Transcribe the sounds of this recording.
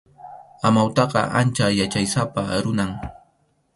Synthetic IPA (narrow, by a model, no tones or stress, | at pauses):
amawt̪ɑqɑʔant͡ʃajat͡ʃajsapaɾʊnaŋ